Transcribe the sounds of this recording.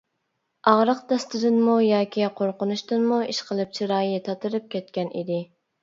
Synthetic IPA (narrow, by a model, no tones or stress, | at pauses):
ɑʁɾəqd̪ɛst̪ɨd̪ɨnmujɑːkʲiqʰoɾqʊnuʃt̪ɨnmuiʃqəlˠɨp̚t͡ʃʰiɾɑːjit̪ʰɑt̪ɨɾɨp̚kʲɛt̪̚kʲɛnḭd̪ɪ